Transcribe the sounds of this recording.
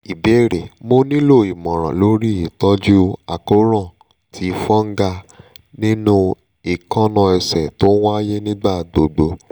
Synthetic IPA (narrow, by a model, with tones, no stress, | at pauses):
i˨be˦ɾe˨mo˦nĩ˦lo˦˨i˨mɔ̃˨ɾ̃ã̰˨lo˨˦ɾi˦i˨tɔ˦d͡ʒu˦a˨ko˦ɾɔ̃˦˨ | tʰi˨˧˦fɔ̃˦ŋ̩˦ɡa˧nĩ˦nũ˦ | i˨kɔ̃˦nɔ̃˧ɛ˧sɛ˨to˦wa˦je˦nĩ˦ɡ͡ba˦˨ɡ͡bo˨ɡ͡bo˧